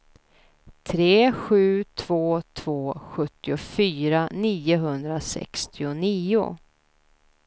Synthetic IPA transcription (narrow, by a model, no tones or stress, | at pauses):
t̪ʰɾeːɧʉ̟ːt̪ʰv̥oːt̪ʰv̥oːɧɵt̪ːɪʊfyːɾaniːʊɦɵnd̪ɾasɛ̰kst̪ʰɪʊniːʊ̰